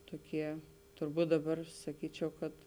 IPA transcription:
ˈtoːˌkʲiɛ tʊrˈbuːt dɐˌbɐr sɐˈkʲiːt͡ʃʲɛʊ kɐt

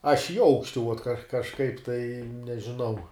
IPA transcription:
ɐʃ ɪ ˈɐʊkʃʲtʲɪ ˈuɔt kɐ kɐʃˈkɐɪp tɐɪ nʲɛʒʲɪˈnɐʊ

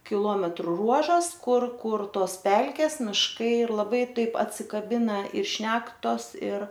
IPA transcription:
kʲɪˈlˠoːmʲɛtrʊ ˈruɔʒɐs ˈkʊr ˈkʊr ˈtoːs ˈpʲɛlʲkʲɛs mʲɪʃˈkɐɪ ɪr lˠɐˈbɐɪ ˈtɐɪp ɐtʲsʲɪkɐˈbʲɪnɐ ɪr ˈʃʲnʲæːktoːs ɪr

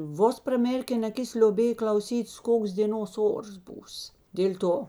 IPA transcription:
ˈʋoːs prɐˈmʲeːrʲkʲɛn ɐˈkʲɪs lʲoːˈbʲeːj klˠɐʊˈsʲiːtʲeːs ˈkoːks dʲeːˈnoːs ˈoːrs ˈbuːs dʲeːlʲ ˈtoː

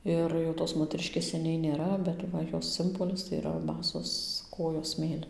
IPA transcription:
ˈɪr jɛʊ toːs moːtʲɛˈrʲɪʃʲkʲeːs sʲɛˈnʲɛɪ nʲeːˈrɐ bʲɛt ˈʋɐ ˈjoːs ˈsʲɪmboːlʲɪs tɐɪ iːˈrɐ ˈbɑːsoːs ˈkoːjoːs ˈsʲmʲeːlʲɪn

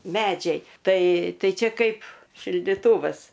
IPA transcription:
ˈmʲæːd͡ʒʲɛɪ ˈtɐɪ ˈtɐɪ ˈt͡ʃʲɛ ˈkɐɪp ʃʲɪlʲdʲɪˈtuːʋɐs

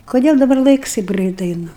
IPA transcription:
koːˈdʲeːlˠ dɐˈbɐr ˈlˠɐɪks ˈtɐɪp ˈɡrɜɪt ˈɛɪnʊ

